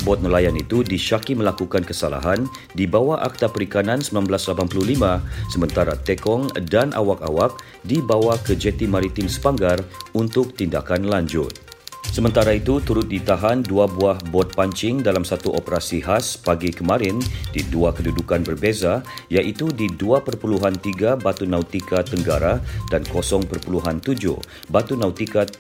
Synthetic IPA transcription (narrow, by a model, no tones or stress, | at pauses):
bɔt̪̚nəlajanit̪udiʃakiməlakukankəsala̰ɦan | dibawaʔak̚t̪apəɾikanãnsəmənanblaslapanplulimãsəmə̃nt̪aɾat̪ɛkɔŋdanʔa̰waka̰wak̚ | dibawakəd͡ʒɛt̪imaɾit̪ɪmsə̥paŋɡarunt̪ʊk̚t̪indakanlaɲd͡ʒʊ̰t̪̚ | səmənt̪aɾait̪ut̪uɾʊt̪̚dit̪aɦanduabuahbɔt̪̚paɲt͡ʃɪŋdalamsat̪uʔopəɾasiɦaspaɡikəmãɾɪndiduakədudukanbərbezajaʔit̪udiduapərpuluɦant̪iɡabat̪unauwt̪ikat̪ːəŋɡaɾadankosɔŋpərpuluɦant̪ud͡ʒʊ̰h | bat̪unawt̪ikat̪̚